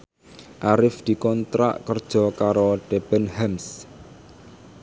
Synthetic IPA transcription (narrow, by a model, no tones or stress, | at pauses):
ʔaɾɪfd̪̥i̤kɔnt̪ɾa̰ʔkərd̥ʒ̥ɔ̤kaɾoɖ̥ɛb̥ɛ̤nhams